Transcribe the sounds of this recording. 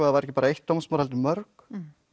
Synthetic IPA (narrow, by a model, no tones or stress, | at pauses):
aðavaɾɛhcɪpaːɾaejht̪ːawmsmaːɾhɛlt̪ɪmœɾk